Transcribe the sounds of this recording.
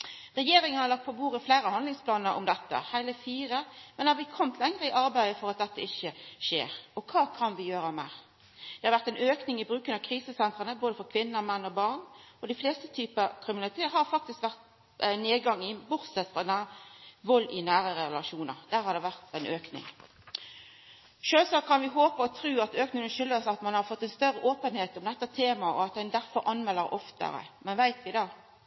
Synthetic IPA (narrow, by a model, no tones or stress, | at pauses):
ʁɛjeːɾɪŋənhɑʁlɑk̚t̪pɔbuːɾəflæɪɾəhɑnlɪŋspʰlɑːnəɾʔʊ̰md̪ɛt̪ːə̰hæɪləfiːɾəmɛnɛhɑʋɪəkʰɔmt̪ʰlɛŋʁəɪʔɑɾbæɪəfɔɾɑt̪̚d̪ɛt̪ːəɪçːəʃḛːɾɔkʰɑːkʰɑnʋɪjøːɾəmæ̰ | d̪̥ɛhɑɾʋæʁt̪æɪnøːknɪŋɪbɾʉːkənɑʋkʰɾiːsəsɛnt̪ʁənəboːd̪əfɔɾkʰʋɪnːəmɛnːɔbɑʁnɔd̪ɪfleːst̪ət̪ʰyːpəkʰɾɪmɪnɑlɪt̪ʰeːəhɑɾfɑk̚t̪ɪskʋæʁt̪ | neːd̪ɡɑŋːɪbʊɾsɛt̪fʁɑd̪ɛnæʋɔlːɪnæːʁəʁɛlɑʂuːnə̰ʁd̪̥æːɾʁhɑɾd̪ɛʋæʁt̪æɪnʔøːknɪ̰ŋ | ʃøːlsɑːkʰːɑnʋɪɦoːpəɔt̪ʰɾʉːɑt̪øːknɪŋənʃʏlːəsɑt̪mɑnhɑɾfɔt̪ːɛnst̪œʁəʔoːpənheːt̪ɔmd̪ɛt̪ːət̪ʰeːmɑɔ̰ɑt̪̚d̪ɛnd̪æʁfɔɾʔɑnmɛlːəɾɔft̪ə̰ɾə̰mɛnʋæɪt̪ʋɪd̪ɑː